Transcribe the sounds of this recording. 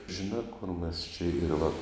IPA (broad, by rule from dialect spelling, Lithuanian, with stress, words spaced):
ʒʲɪˈnɑː kʊr mʲɛs t͡ʃʲɛ ɪr ʋɐ